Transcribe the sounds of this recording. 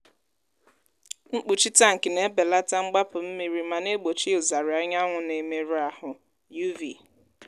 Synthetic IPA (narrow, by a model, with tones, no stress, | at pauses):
ŋ͡m̩˦k͡pu˨t͡ʃi˦ta˦ŋ̩˨kɪ˨ne˦be˨la˦ta˦ŋ͡m̩˦ɡ͡ba˦pʊ˨m̩˦mi˨ɾi˨ma˨ne˦ɡ͡bo˨t͡ʃi˦ʊ˨za˨ɾɪ˨ɔ˦ɲa˦ŋʷʊ˨ne˨me˨ɾa˨hʊ˨ | ju˦vḭ˨